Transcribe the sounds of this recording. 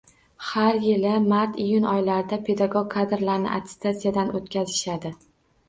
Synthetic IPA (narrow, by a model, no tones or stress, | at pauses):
haɾjɪlɪmaɾt̪ijʊnɒjlaɾɪd̪apʰe̞d̪aɡoɡ̚ʲkʰːad̪ɪɾlaɾnɪ̰ʔa̰t̪ʰɪ̥st̪ʰasijad̪anʔot̪̚kʲʰazɪʃad̪ɪ